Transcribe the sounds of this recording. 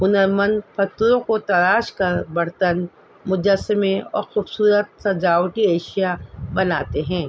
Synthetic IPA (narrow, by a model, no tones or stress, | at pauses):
ɦʊnəɾmənfɐt̪ɾõkot̪ɐlaːʃkɐɾbɐɽ̤t̪ən | mʊd͡ʒəsːɪmeɔ̰ːɾxuːbsuːɾət̪̚sɐd͡ʒaːwʈieːʃijabɐnaːt̪eɦɛ̃ː